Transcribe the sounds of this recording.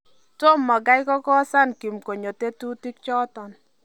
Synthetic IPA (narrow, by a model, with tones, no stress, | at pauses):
to˦mːɔ˨ɡa˦jkɔ˦kɔ˦sa˦˨nki˨mko˨ɲo˨te˦tu˦ti˦k̚t͡ʃɔ˦tɔ˨n